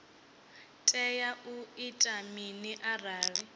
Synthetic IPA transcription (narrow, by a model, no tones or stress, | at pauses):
tʼɛjaʔuitʼaminiʔaraːri